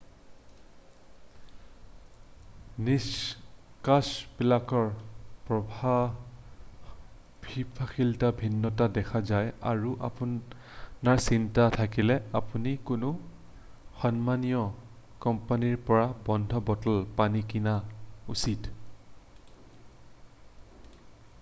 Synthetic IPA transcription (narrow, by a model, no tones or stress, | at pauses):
niskasbilakɔɹpɹɔbʱa | bʱipʰaxiltabʱinːɔtadɛkʰazaja̰ɹuʔa̰pu | naɹsintatʰakilɛapunikʊnʊ | xɔnmanijɔ | kɔmpaniɹpɔɹabɔndʱɔbɔtɔlpanikinausit